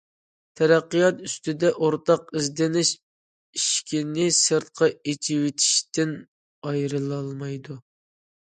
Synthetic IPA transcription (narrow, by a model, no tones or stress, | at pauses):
t̪ʰɛɾæqːijɑt̪yst̪ɪd̪ɛʔoɾt̪ɑqizd̪ɪnɪʃ | iʃkʲinɪsɨɾt̪̚qʰɑet͡ʃʰiwɪt̪ʰi̥ʃt̪ɪn | ɑjɾɨlˠɑlˠmɑjd̪u